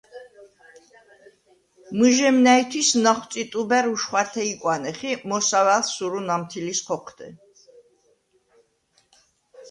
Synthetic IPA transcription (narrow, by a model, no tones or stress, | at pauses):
mɨʒɛmnait̪ʰwisnaχwt̪sʼit̪ʼubɛɾuʃχwat̪ʰɛikʼwanɛχimɔsavalsuɾunamt̪ʰilisχʰɔqʰd̪̥ɛ